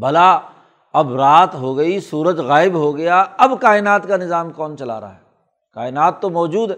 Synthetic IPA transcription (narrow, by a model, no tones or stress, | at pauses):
bɐla | ɐbɾaːt̪ɦoɡɐisuːɾəd͡ʒɣaːɪbɦoɡɐjaɐbkaːɪnaːt̪kanɪzaːmkɔːnt͡ʃɐla̰ːɾaa̰ɦɛ | kaːɪnaːt̪ːomɔːd͡ʒuːd̪ɦɛ